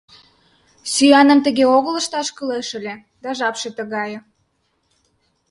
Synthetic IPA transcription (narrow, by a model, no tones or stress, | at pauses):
syjɑnə̆mt̪ə̆ɣeoɣələ̆ʃt̪ɑʃkəleʃə̆lʲe | d̪̥ɑʒɑpʃet̪ə̆ɣɑjɤ̆